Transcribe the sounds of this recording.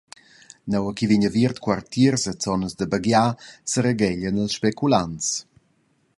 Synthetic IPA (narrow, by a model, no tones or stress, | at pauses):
nawəkiviɲəviərt̪kwart̪iərsət͡sɔnəzd̪əbəɡjasəɾeɡɛʎənəlsʃpɛkulant͡s